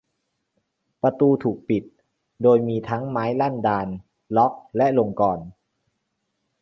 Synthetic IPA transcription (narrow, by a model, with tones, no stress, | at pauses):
pa˧t̪uː˧t̪ʰuː˨˩k̚pi˨˩t̪̚ | doː˧jmiː˧t̪ʰa˦˥ŋmaː˦˥jla˥˩ndaː˧n | lɔ˦˥k̚lɛ˦˥ʔlo˧ŋkɔː˧n